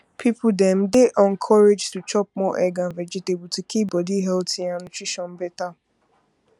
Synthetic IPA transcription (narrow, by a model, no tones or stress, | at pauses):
pʰipʊdɛm̩dɪʔɔŋ̩kʰɔɾed͡ʒtut͡ʃɔp̚mɔʔɛɡãnvɛd͡ʒetebʊtukʰibɔdiɦɛltianʊtɹiʃɔn̩bɛta